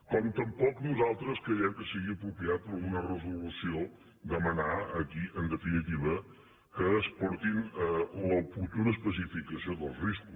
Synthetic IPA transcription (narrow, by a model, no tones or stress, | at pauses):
kɔmt̪əmpɔknuzalˠt̪ɾəskɾəjɛmkəsiɣiəpɾupiat̪̚pəɾɣunərəzulusio | d̪əmənaəkiʔənd̪əfinit̪iβə | kəːspɔɾt̪inləput̪uɾəspəsifikəsioðəlˠzriskus